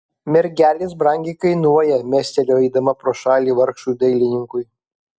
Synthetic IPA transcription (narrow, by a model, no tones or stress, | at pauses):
mʲɛɾʲɡʲæːlʲes̬bɾɑˑŋʲɡʲɛɪkɐɪnuɔjɛmʲæːsʲt̪ʲɛlʲoːɛɪd̪ɐmɐpɾoːʃɑːlʲiːʋɐɾkʃuːd̪ɐɪlʲɪnʲɪŋkʊɪ